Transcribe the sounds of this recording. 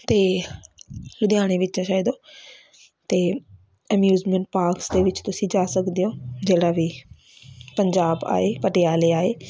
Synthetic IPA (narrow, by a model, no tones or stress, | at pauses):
t̪eː | lʊd̪ɪjaːɽ̃eːʋɪt͡ʃt͡ʃãːʃaːid̪oː | t̪eː | əmjuːzmə̃ɳʈ̚paːɾksd̪eːʋɪt͡ʃt̪ʊsĩːd͡ʒaːsəkd̪ijõːd͡ʒeːɽaːʋiː | pəɲd͡ʒaːba̰ːeːpəʈɪjaːleːaːeː